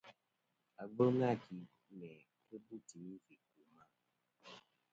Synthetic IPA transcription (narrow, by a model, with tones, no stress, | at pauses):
a˨ɡ͡bo˦ŋa˦˨ki˨ | nɛ˨ | ke˦bu˦˨ti˨nĩ˦fi˦˨ku˨mã˦